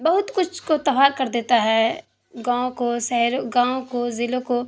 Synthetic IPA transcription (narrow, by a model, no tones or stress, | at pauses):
bɐɦʊt̪kʊt͡ʃʰkot̪ɐʋaːɾkɐɾd̪eːt̪aɦɛ | ɡãːõkosɛɦɾoɡãːõkozɪlõko